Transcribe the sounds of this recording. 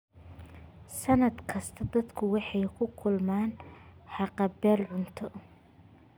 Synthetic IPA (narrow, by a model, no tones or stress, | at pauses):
sɐnɐd̪kʰɐst̪ʰɐd̪ɐd̪kʰʊwɑħɑjkʰʊkʰʊlmaːnħɑqɑbɛːlʕʊnt̪ʰɔ